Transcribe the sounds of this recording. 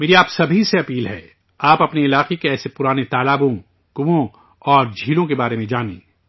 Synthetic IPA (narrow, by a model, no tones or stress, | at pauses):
meːɾiaːpsɐbʱiseɐpiːlɦɛ̰ː | aːpɐpniɪlaːqekeɛːsepʊɾaːnet̪aːlaːbõ | kʊʋõ | ɔːɾd͡ʒʱiːlõkebaːɾemẽd͡ʒaːnḛ̃ː